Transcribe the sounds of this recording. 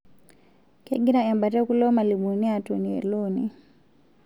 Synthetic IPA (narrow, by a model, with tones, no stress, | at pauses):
kɛ˦ɡi˦ɾa˦a˨mba˨tɛ˦ku˦lɔ˦ma˨li˨ɓu˨ni˦a˨tu˨niɛ̰˨lɔ˦ni